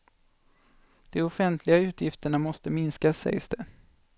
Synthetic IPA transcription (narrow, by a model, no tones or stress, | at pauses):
d̪̥ɔʊfɛnt̪ʰlɪɡaʉ̟ːt̪ʰjɪft̪əɳamɔst̪əmɪnskasːɛ̰jsd̪ɛ